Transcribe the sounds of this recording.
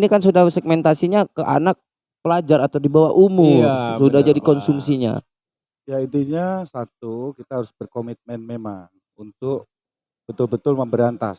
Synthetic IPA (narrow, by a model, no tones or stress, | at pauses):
nikans̬udahsɛɡ̚mɛnt̪asiɲakəʔa̰nak̚ | pəlad͡ʒaɾat̪awdibawahʔumʊrsudahd͡ʒadikɔnsumsiɲa̰ | jait̪iɲasat̪̚ukit̪aɦaɾʊsbərkomit̪̚mɛnmemaŋ | unt̪ʊk̚ | b̥ət̪ʊlbət̪ʊlməmbəɾiant̪a̰s